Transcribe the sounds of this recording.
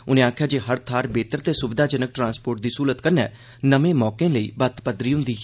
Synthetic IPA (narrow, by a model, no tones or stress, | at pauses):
ʊnẽːaːkʰjaːd͡ʒeːɦəɾt̪ʰaːɾbeːt̪əɾt̪eːsʊbɪd̪aːd͡ʒənək̚ʈɾãːnspoːɾʈ̚d̪iːsuːlət̪kəɾnɛ̰ː | nəmẽːmɔːkẽːləḭːbət̪pəd̪ɾiːɦʊ̃nd̪iː